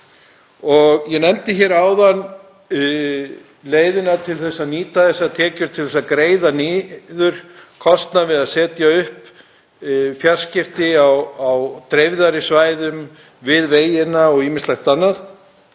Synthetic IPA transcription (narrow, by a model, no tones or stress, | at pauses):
ɔɣjɛnɛmt̪ɪçɛɾaːwðan | leːjðɪnat̪ʰɪlθɛsːaniːt̪aθɛsːat̪ʰɛːcʏɾt̪ʰɪlθɛsakɾeːjðaniːðʏɾ̥kʰɔst̪navɪðaðsɛːt̪jaʏhp | fjar̥scɪft̪ɪawawt̪ɾejvðaɾɪsvaːjðʏm | vɪðveːjɪnaɔɣiːmɪst̪lajxt̪anːaθ